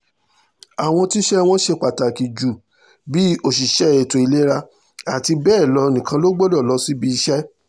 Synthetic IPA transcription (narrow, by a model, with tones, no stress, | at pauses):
a˨w̃ɔ̃˧ti˦ʃɛ˦w̃ɔ̃˦ʃe˧k͡pa˨ta˨ki˨d͡ʒu˨ | bi˦o˦˨ʃi˨ʃɛ˦e˨to˨i˧le˦ɾa˧ | a˨ti˧bɛː˦˨lɔ˧˦˧nĩ˨kã˧lo˦ɡ͡bo˦dɔ˦˨lɔ˨˦si˦bi˦˧i˧ʃɛ˦